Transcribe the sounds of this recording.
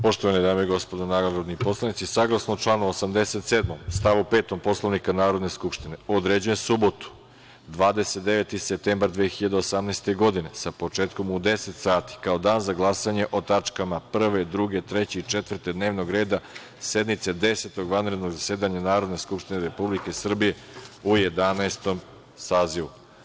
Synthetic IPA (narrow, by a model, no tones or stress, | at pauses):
po̞ʃt̪oʋanid̪aːmoiɡo̞spod̪onaɾod̪nipo̞slˠanit̪sisaɡlˠasnot͡ʃlˠaːnuosamd̪e̞se̞t̪seːd̪momst̪aʋupe̞ːt̪o̞mpo̞slˠaʋnikanaːɾo̞d̪ne̞skupʃt̪ineod̪ɾeːd͡ʑujemsubo̞t̪u̥ | d̪ʋaːd̪e̞set̪̚d̪e̞ʋet̪isep̚t̪embaɾd̪ʋeːxiʎad̪eosamneːst̪e̞ɡo̞d̪ine̞sapo̞t͡ʃeːt̪ko̞mud̪e̞set̪saːt̪i̥kao̞d̪aːnzaɡlˠasaɲe̞ʔo̞t̪at͡ʃkamapr̩ʋe̞d̪ɾuɡe̞t̪ɾe̞t͡ɕeit͡ʃe̞t̪ʋrt̪ed̪ne̞ːʋno̞ɡɾe̞ːd̪a | se̞d̪mit̪sed̪e̞set̪o̞ɡʋanɾe̞d̪noɡzasje̞ːd̪aɲanaːɾo̞d̪neskupʃt̪ineɾe̞publike̞sr̩bije̞ | uje̞d̪anaest̪o̞m | saːziʋu